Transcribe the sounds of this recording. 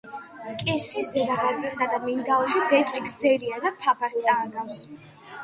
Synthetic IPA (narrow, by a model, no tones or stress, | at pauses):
kʼɛsχisɛɡaɡat̪sʼisad̪amind̪aɔʃibɛt̪ʼwiɡɾd̪zɛliad̪apʰapʰaɾst̪sʼaːɡafs